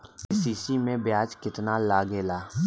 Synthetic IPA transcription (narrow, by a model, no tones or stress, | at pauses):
siːsimẽbjaːd͡ʒkɪt̪nalaːɡeːlaː